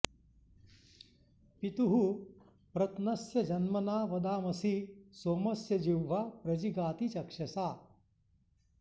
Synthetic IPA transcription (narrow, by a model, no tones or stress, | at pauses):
pit̪uɦu | pɾɐt̪nɐsjɐd͡ʒɐnmɐnaːʋɐd̪aːmɐsisoːmɐsjɐd͡ʒiwːaːpɾɐd͡ʒiɡaːt̪it͡ʃɐkʂɐsaː